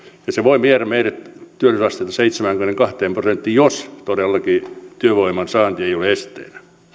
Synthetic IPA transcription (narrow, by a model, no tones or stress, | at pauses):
jɑseʋoimieræmeiret̪t̪yølysɑst̪eit̪ɑseit̪semæŋɡ̥ymneŋkɑht̪eːmprosent̪ːiːjost̪odelːɑkit̪yøʋoimˑɑnsɑːnt̪ieioleest̪ḛːnæ